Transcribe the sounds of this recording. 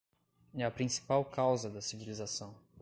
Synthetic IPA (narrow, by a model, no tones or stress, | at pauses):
ɐpɾĩsi̥pawkawzɐd̪ɐsivilizasɐ̃w̃